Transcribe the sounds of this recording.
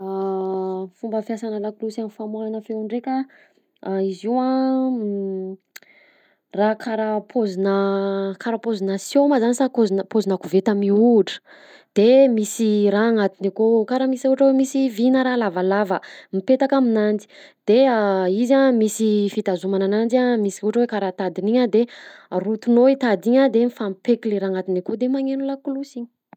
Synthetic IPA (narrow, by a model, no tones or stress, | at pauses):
a | fumbəfjasanəlakulusanifamwananəfeɳɖ͡ʐekʲə | aiziwa | rakʰaɾapʰozinəkʰaɾapozinəsjoməzanisakozinpozinakuvet̪amiuʈ͡ʂə̥ | d̪̥emisiɾaːŋat̪inikokaɾəmisauʈ͡ʂəwemisivinəɾalavalavəmipet̪akaminand͡zi̥d̪̥eaizamisifit̪azumananand͡ʒamisiuʈ͡ʂəwekaɾat̪ad̪iniɲəd̪erut̪unoit̪ad̪iɲəd̪emifampekileɾaːŋat̪inikod̪emaŋenulakulusiɲi̥